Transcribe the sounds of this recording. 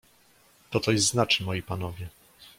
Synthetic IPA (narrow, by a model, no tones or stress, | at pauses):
t̪ɔt̪ɔjɛst̪znat͡ʂɘmɔjipanɔvʲjɛ